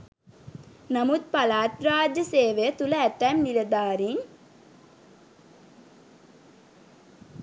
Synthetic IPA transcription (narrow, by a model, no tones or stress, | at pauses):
namut̪̚palaːt̪ɾaːd͡ʒəseːʋejət̪uləæʈ̪ːæmnilɐd̪aːɾiŋ